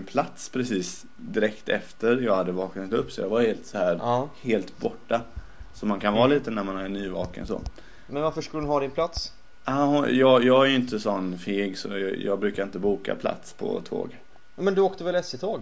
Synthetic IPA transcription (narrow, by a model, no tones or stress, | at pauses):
npʰlat̪spʰɾɛsiːs | d̪ɪɾɛkt̪ɛft̪əɾjɑːɡhad̪ːəvɑːknat̪ɵpːsɔjɑ̰ːɡvaɾheːlt̪sɔhæːɾheːlt̪bɔʈːa | sɔmankʰanvɑːliːt̪ənæɾmanæɾnyːvɑ̰ːkə̰nsɔ̰ː | mɛnvaɾfəʂkɵlədʊnɦɑːd̪ɪnpʰlat̪s | ahʊjɑːɡjɑːɡæɾjɪnt̪əsɔnːfeːɡsɔjjɑ̰ːɡbɾʉ̟ːkaɾɪnt̪əbuːka̰pʰla̰t̪spʰɔ̰t̪ʰo̰ːɡ | mɛnd̪ɵoːkt̪əvɛlɛsɪt̪ʰoːɡ